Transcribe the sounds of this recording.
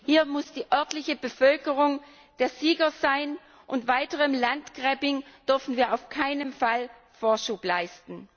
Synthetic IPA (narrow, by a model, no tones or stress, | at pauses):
hiːɐmʊsd̥iːʔœɐtlɪçəbəfœlkəʁʊŋ | d̥eːɐziːɡɐzaɪn | ʔʊntv̥aɪtəʁəmlantɡ̥ʁɛbɪŋd̥ʏɐfn̩viːɐʔaʊfkʰaɪnəmfal | foːɐʃuːplaɪstn̩